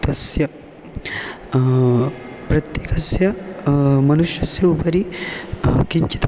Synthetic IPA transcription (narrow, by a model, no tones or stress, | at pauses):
t̪ɐsjɐ | pɾɐt̪jeːkɐsjɐ | mɐnuʃjɐsjɐupɐɾi | kiɲt͡ʃi̥t̪